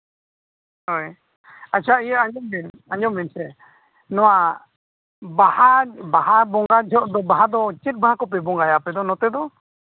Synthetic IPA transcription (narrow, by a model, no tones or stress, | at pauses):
ɦɔj | at͡ʃʰaijəaɲɔmmɛn | aɲɔmːɛnsɛ | nɔwa | bahabahabɔŋɡad͡ʒʱɔʔd̪ɔbaɦad̪ɔt͡ʃit̪̚baɦakɔp̬ɛbɔŋɡajapɛd̪ɔnɔt̪ɛd̪ɔ